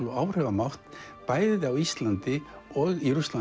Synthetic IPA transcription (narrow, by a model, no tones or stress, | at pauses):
ɔaːwr̥ɛvamawht̪ | paːjðɪðawist̪lant̪ɪ | ɔɣiɾʏst̪la